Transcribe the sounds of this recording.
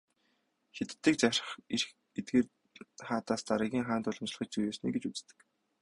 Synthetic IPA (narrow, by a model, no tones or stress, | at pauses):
xit̪̆t̪ːiːk̚t͡sar̆χirx | et̪̚ɡeːr | χaːt̪aːst̪aɾə̆ɣʲiːŋχaːnt̪ʊɮɞ̆mt͡ɕɮə̆χĭt͡ɕ̚t͡sujeːsnḭːɡet͡ɕut͡st̪ɘ̥̆k